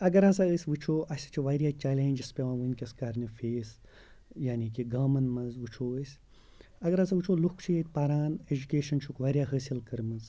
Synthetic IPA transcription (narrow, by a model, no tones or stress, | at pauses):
ɐɡɐɾɐzaəːsʲʋɨt͡ʃʰoːʔɐsʲi̥t͡ʃʰiʋaːɾʲjaːt͡ʃaːlʲẽːnʲd͡ʒɐspʲeʋãːʋɨnʲkʲɐskɐɾnifeːs | jaːnikiɡaːmɐnmɐzʋɨt͡ʃʰoːəːsʲ | ɐɡɐɾɐzɐʋɨt͡ʃʰoːlukʰt͡ʃʰujeːt̪̚ʲpaːɾaːned͡ʒukʲeːʃɐnt͡ʃʰukʋaːɾʲjaːɦəːsilkɐɾmɐz